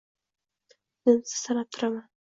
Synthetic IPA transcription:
mensɪ̥sanap̚t̪ʰʊɾaman

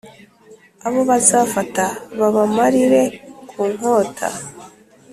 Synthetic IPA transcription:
aβo̞βazaːfataβaβamaɾiɾe̞kʰuːŋ̥o̞ːtʰa̰

